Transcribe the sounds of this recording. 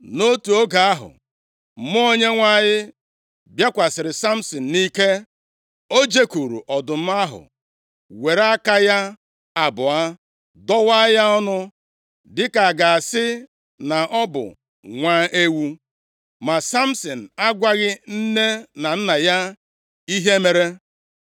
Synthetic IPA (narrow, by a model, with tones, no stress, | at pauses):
no˦tu˨o˦ɡa˨a˦ɦʊ̰˨ | m̩˦m˦o˦ɲe˦ŋʷa˦˨ɲɪ˦ | bja˦kʷa˨sɪ˨ɾɪ˨sa˦m̩˦sɔ˨n̩˨ni˦ke˦ | o˦d͡ʒe˦ku˨ɾṵ˨ʔɔ˨dʊ˨m̩˦a˦ɦʊ̰˨ | we˨ɾa˦ka˦ja˦ | a˨bʊ˨a˦ | dɔ˦wa˦ja˦ɔ˦nʊ˦ | dɪ˦ka˨ɡa˨a˨sɪ˦ | na˨ʔɔ˦bʊ̰˨ | ŋʷaː˦ʔe˦wu˦ | ma˨sa˦m̩˦sɔ˨n̩˨a˦ɡʷa˦ɣɪ˦n̩˦ne˦na˨n̩˦na˨ja˦ | i˦ɦe˦me˨ɾe˦